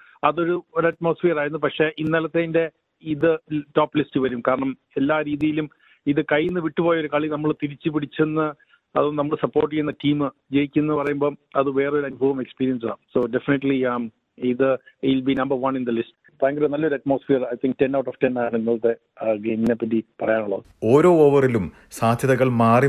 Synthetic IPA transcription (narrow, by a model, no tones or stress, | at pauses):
ɐðo̞ɾuoɾɐʈmo̞ːsfijɐraːjiɾunːupɐkʂe̞ʔinːɐlɐt̪ːende̞ | iðɨtoːpːlisʈɨʋɐɾumkaːɾɐɳɐm | e̞lːaːɾiːðijilum | iðɨkɐjinːɨʋiʈːɨpo̞ːjɐoɾukɐɭinɐmːɐɭt̪iɾit͡ɕːɨpiɽit͡ɕːenːɨ | ɐ̰ðonɐmːɐɭsɐpːo̞ːrʈːikʲːenːɐtiːmɨd͡ʑe̞jikʲːuenːɨpɐrɐjumbo̞ːɐðɨʋe̞ːreoɾɐnubʱɐʋɐmekspiːɾijɐns̬ɨa̰soːɖe̞finiʈliam | iðɨilbinɐmbɐrʋɐnind̪ɐlist | paːŋɡɾɐnɐlːɐo̞ɾuɐtmo̞ːsfiːrɐjt̪ʰiŋk̚te̞nːɐwʈːoːftenːaːjaɳnːɐɭt̪e | ɡejminepːɐt̬ːipɐrɐjaːnuɭːɐ̰ðɨo̞ːɾo̞ːoːʋɐrilum | saːd̪ʱjɐðɐɣɐɭmaːri